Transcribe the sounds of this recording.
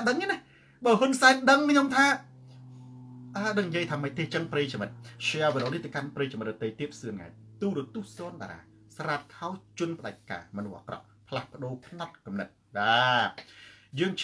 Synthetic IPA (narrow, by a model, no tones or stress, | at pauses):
ɗəŋiənah | ɓəːhunsaɛnɗəŋkʰɲomt̪ʰaː | ʔaːɗəŋɲjəjt̪ʰaːməc̚t̪ʰːeːht͡ɕəŋpreːjt͡ɕmɨt̪̚t͡ɕaʋəɗoːniht̪ɨwkanpreːjt͡ɕamɨt̪̚ɗɔt̪ejt̪iəp̚sɨəŋːa̰ɛt̚t̪uːɾɔ̆ət̪uəhsɔːnɓa̰ːɾa̰ː | sraːt̪̚kʰaɔt͡ɕŭənpə̆ɗaɛc̚kːa̰ːmɔnuhʔa̰krɑ̰ʔ | pʰlahpə̆ɗoːpʰnɑt̪̚kɑmnət̪̚ɗaː | jəːŋt͡ɕ